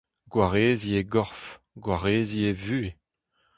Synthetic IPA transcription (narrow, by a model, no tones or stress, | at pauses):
ɡwaʁeːzieɡɔʁf | ɡwaʁeːzievyːe